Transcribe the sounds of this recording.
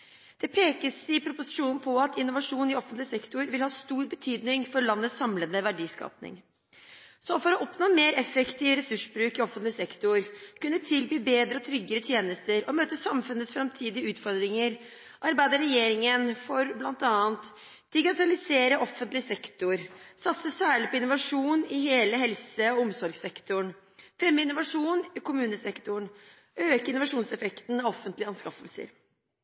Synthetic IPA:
d̪̥ɛpʰeːkəsɪpʰɾʊpʊsɪ̥ʂuːnn̩pʰɔɑt̪ɪnːʊʋɑʂuːnɪɔfənt̪lɪsɛkt̪ʊɾʋɪlhɑːst̪uːɾbət̪ʰyːd̪nɪŋfɔɾlɑnːətsɑmlənəʋæɖiːskɑ̰ːpnɪ̰ŋ | sɔfɔɾɔʔɔpnoːmeːɾɛfəkt̪ɪʋəɾɛsʉʂbɾʉːkɪɔfːənt̪lɪsɛkt̪ʊɾkʉnːət̪ʰɪlbiːbeːd̪ɾəɔt̪ʰɾʏɡəɾət̪ʰjeːnəst̪əɾɔmøːt̪əsɑmfʉnətsfɾɑmt̪ʰiːd̪ɪəʉːt̪fɔɾd̪ɾɪŋəɾ | ʔɑɾbæɪd̪əɾɛjeːɾɪŋənfɔɾblɑnt̪ɑːənt̪ | d̪̥ɪɡɪt̪ɑlɪseːɾəʔɔfənt̪lɪsɛkt̪ʊɾsɑt̪səsæːɭɪpʰɔɪnʊʋɑʂuːnɪheːləɦɛlsəɔʊmsɔɾɡsɛkt̪ʊɳ | fɾɛmːəɪnːʊʋɑʂuːnɪkʊmʉːnəsɛkt̪ʊɳ | ʔøːkəɪnʊʋɑʂuːnsɛfɛkt̪n̩ɑɔfːənt̪lɪəɑnskɑfəlsə̰ɾ

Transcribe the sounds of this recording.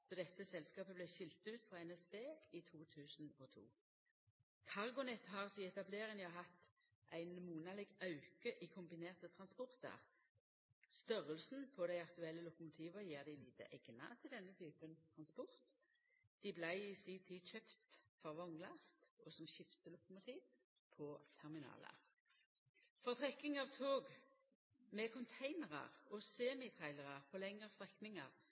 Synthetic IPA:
d̪ɔd̪ɛt̪ːəsɛlskɑːpəblæɪʃɪlt̪ʉːt̪fʁɑɛnɛsbeːit̪ʰuːt̪ʰʉːsn̩ɔt̪ʰṵː | k̪ʰɑʁɡʊnɛt̪ɦɑːʁsiɛt̪ɑbleːʁɪnjʊɦɑt̪ː | ʔæɪnmuːnɑlɪɡɑʉkəʔiːkʰʊmbɪneːʁt̪ət̪ʰʁɑnspɔʁt̪ə̰ʁ | st̪œʁəlsn̩pʰɔd̪æɪɑkt̪ʉɛlːəlʊkʊmʊt̪ʰiːʋəjeːʁd̪ɪliːt̪ə̰ʔɛɡnɑ̰t̪ʰɪld̪ɛnːət̪ʰyːpənt̪ʰʁɑnspɔʁt̪ | d̪̥ɪblæɪɪsiːt̪ʰiːçøpt̪fɔʁʋɔŋlɑst̪ɔsɔmɕɪft̪əlʊkʊmʊt̪ʰiːʋ | pʰɔt̪ʰɛʁmɪnɑ̰ːlə̰ | fɔʁt̪ʰʁɛkːɪŋɑʁʋt̪ʰoːɡ | mɛkʰʊnt̪ʰæɪnəʁɑ̰ʁɔseːmɪt̪ʰæɪləʁɑʁpʰɔlɛŋəʁst̪ʁɛknɪŋɑʁ

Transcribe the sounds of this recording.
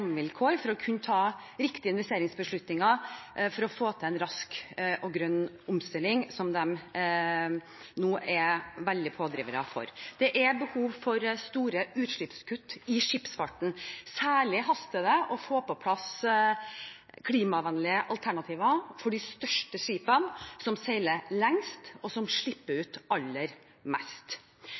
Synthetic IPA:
ŋʋɪlkʰoːɾfɔɾɔkʰʉnət̪ʰɑːɾɪkt̪ɪəɪnʋɛst̪eːɾɪŋsbəʂɭʉt̪nɪŋɑfɔɾɔfoːt̪ʰəɛnɾɑskʔɔɡɾœnː | ʊmst̪ɪlːɪŋsɔmd̪ɛm | nuːʔɛʋɛld̪ɪpʰoːd̪ɾiːʋəɾə̰fɔ̰ɾd̪̥ɛʔɛbəhuːʋfɔɾst̪uːɾəʉːt̪ʂɭɪpskʰʉt̪ːɪʂɪpsfɑʈɳ̩sæːɭɪɦɑst̪əd̪ɛʔɔfoːpɔpʰlɑs | kʰliːmɑʋɛnlɪəʔɑlt̪ʰæɳɑt̪ʰiːʋɑfɔɖɪst̪œʂʈəʂiːpənsɔmseɪləlɛŋst̪ɔsɔmʂɭɪpːəɾʉːt̪ɑlːəɾ | mɛst̪

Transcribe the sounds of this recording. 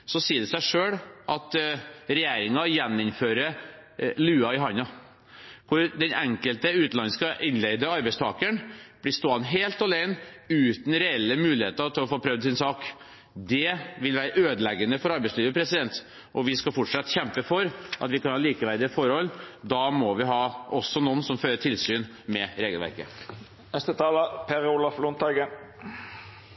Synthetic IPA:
sɔsiːəɖ̪ɛsæɪʂøːɽʔɑt̪ɾɛjeːɾɪŋɑjɛnːɪmføːɾə | lʉːɑɪɦɑnɑ | kʰʊɾd̪ɛnɛŋkəlt̪əʉːt̪ɑnːəskɑʔɪnleɪd̪əɑɾbɛɪst̪ʰɑːkəɳb̥lɪst̪oːɑnɦeːlt̪ɔleɪnʉːt̪n̩ɾɛɛlːəmʉːlɪhḛːt̪ət̪ʰɪlɔfoːpʰɾœʋd̪sɪnsɑːk | d̪ɛʋɪlʋæːɾəʔøːd̪əlɛɡənəfɔɾɑɾbæɪsliːʋəpʰɾɛsɪd̪ɛnt̪ | ʔɔʋɪskɑfɔʈʂɑt̪ːçɛmpəfɔɾʔɑ̰t̪ʋɪkɑnhɑːliːkəʋæɾd̪ɪəfɔɾhɔld̪ɑmɔʋɪɦɑːʔɔsːɔnɔnsɔmføːɾəʈʰɪlsyːn | mɛɾeːɡəlʋæ̰ɾkə̰ | ɛst̪ət̪ʰɑːləpʰeɾʊlɑflʊnt̪ʰɑɡə

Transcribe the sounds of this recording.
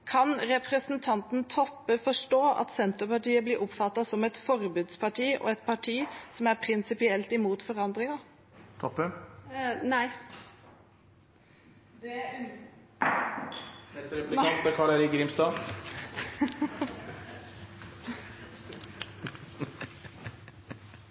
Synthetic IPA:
kʰɑnɾɛpɾɛsnt̪ʰɑnt̪n̩t̪ʰɔpːəfɔʂʈoːʔɑ̰t̪sɛnt̪əpɑʈiːəblɪɾʔɔpfɑt̪ːɑsɔmɛt̪fɔɾbʉːd̪spʰɑʈʰiːʔɔ̰ɛt̪pʰɑʈʰiːsɔmæɾpʰɾɪnsɪpɪɛlt̪ɪmuːt̪fɔɾɑnd̪ʁɪŋɑ | t̪ʰɔpːə | næɪ | d̪ | ɾp̪ɪɑt̪b̪ɛkʰɑɭəɾɪɡɾimst̪ɑː

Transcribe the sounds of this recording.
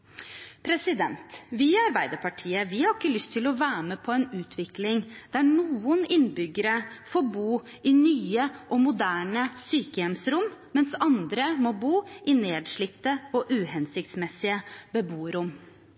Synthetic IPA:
pʰɾɛsɪd̪ɛnt̪ʋɪɑɾbæɪd̪əpʰɑʈʰiːəʋɪhɑɾɪkːəlʏst̪ʰɪlɔʋæːməpʰɔɛnʉːt̪ʰʋɪklɪŋd̪̥æɳuːənɪnːbʏɡəɾəfobuː | ɪnyːəʔɔmʊd̪æːɳəsyːkəjɛmsɾʊmmɛnsɑnd̪ɾəmɔbuːʔɪneːd̪ʂɭɪt̪ːəɔʔʉːɦɛnsɪk̚t̪smɛsɪəbəbuːɾʊm

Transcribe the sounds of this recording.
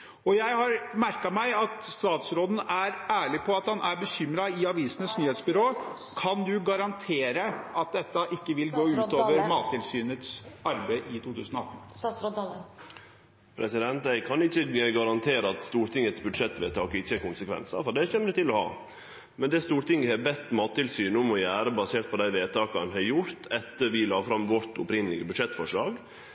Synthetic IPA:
ɔjæɪhɑɾmæɾkɑmæɪɑt̪st̪ɑːt̪sɾoːd̪n̩æɾæːɭɪpʰɔɑt̪hɑnʔæɾbəçʏmɾɑɪɑʋiːsənəsnyːheːt̪sbʏɾoː | kʰɑnd̪ʉɡɑɾɑnt̪ʰeːɾəɑt̪̚d̪ɛt̪ːəʔɪkːəʋɪlɡoːʉːt̪oːʋəɾmɑːt̪ʰːɪlsyːnət̪sɑɾbæɪʔɪt̪ʰuːt̪ʰʉːsənɔɑt̪ːn̩ | pʰɾɛsɪd̪ɛnt̪æɪkʰɑnɪçːəɡɑɾɑnt̪ʰeːɾəɑt̪st̪uːɾʈ̪ɪŋːət̪sbʉd̪ʂɛt̪ːʋeːt̪ʰɑːkɪçːəɛɾkʊnsəkʰʋɛ̰nsɑ̰fɔɖɛçɛmːəɾt̪ɪlːɔhɑ̰ː | mɛnd̪ɛst̪uːɾʈ̪ɪŋːəhɛbɛt̪ːmɑːt̪ʰːɪlsyːnʊmɔjæːɾəbɑseːʈ̪pɔd̪æɪʋeːt̪ʰɑːkɑnɦɛɾjʊɾt̪ʰɛt̪ːəɾʋɪlɑːfɾɑmʋɔɾt̪ʊ̰pɾɪŋːəlɪɡəbʉd̪ʂɛt̪ːfɔʂɭɑ̰ːɡ

